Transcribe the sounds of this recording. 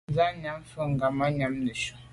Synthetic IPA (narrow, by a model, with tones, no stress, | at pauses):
za˦ɲa˦mfə˦ŋ˨ɡa˨ma˦ɲa˨˦mnə˨ʃu˦